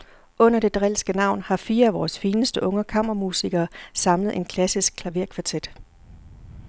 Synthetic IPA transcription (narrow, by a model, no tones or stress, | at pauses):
ʔɔ̽n̰ɐd̥e̝d̥ʁɛlsɡ̥ənɑ̈ʊ̰nhɑ̈fiːɐæʋɒːsfiːnəsd̥əʔɔ̽ŋəkʰɑm̰ɐʁɐmusiɡ̥ɐːsɑ̈mləð̩ˠʔe̝nkʰlæsisɡ̥̚kʰlæʋeɐ̰kʰʋɑ̈t͡sʰed̥